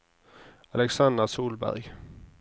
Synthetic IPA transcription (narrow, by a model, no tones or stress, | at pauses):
ɑlɛksand̪əsuːlbæ̰ɾɡ